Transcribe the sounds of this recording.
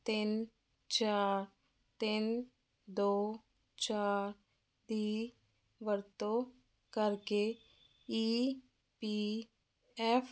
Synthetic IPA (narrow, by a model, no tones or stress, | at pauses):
t̪ɪn | t͡ʃaːɾ | t̪ɪn | d̪oː | t͡ʃaːɾ | d̪iː | ʋəɾt̪õː | kəɾkeː | iː | piː | ɛːpʰ